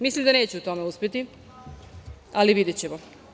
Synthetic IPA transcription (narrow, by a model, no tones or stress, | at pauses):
mislimd̪ane̞ːt͡ɕeut̪o̞meuspʲjet̪i | aliʋid̪jet͡ɕemo